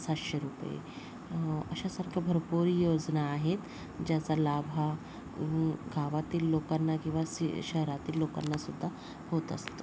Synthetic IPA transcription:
sat̪ɕeɾupḛ | əɕasaɾkʰjabʱəɾpuɾijod͡znaːɦet̪ | d͡ʑjat͡salabʱa | ɡʱaʋat̪iːlːokanːakĩw̃ʋasɕəɦɾat̪iːlːoka̰nːasud̪ʱːa | hot̪ə̰st̪o̥

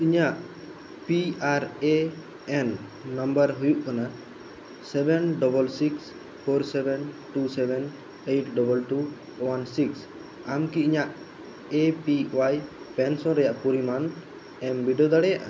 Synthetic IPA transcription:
iɲaʔ | piaɾe | ɛnː | ɔmbəɾɦujuʔkana | sɛbɛnɖɔbəlsiks | pʰoɾsɛbɛnʈusɛbɛn | ejʈɖɔbəlʈu | wansiks | amkiiɲaʔ | epiwaj | pɛnsɔ̃nɾɛjaʔpuɾiman | ɛmbiɖiod̪aɽɛjaʔa̰

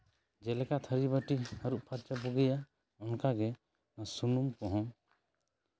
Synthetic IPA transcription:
d͡ʒɛlɛkat̪ʰəɾibəʈihəɾuʔpʰaɾt͡ʃapuɡɛja | ɔnkaɡɛ | nasunumkɔɦɔ̃

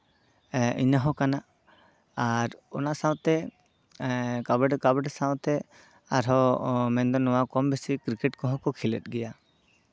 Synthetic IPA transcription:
ʔinəɦɔ̃kanaʔ | aɾɔnasawt̪ɛ | kabɖkabɛɖsawt̪ɛ | aɾɦɔmɛnd̪ɔnɔwakɔmbɛsikɾikɛʈkɔɦɔ̃kɔkʰilɛ̰t̪̚ˀɡɛja

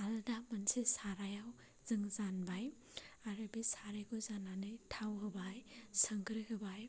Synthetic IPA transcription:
aldamansesaɾajaw | zɯŋzanbaj | aɾɯbisaɾajkɔzananɯjtʰawɦɯbajsəŋɡɾɯɦɯbaj

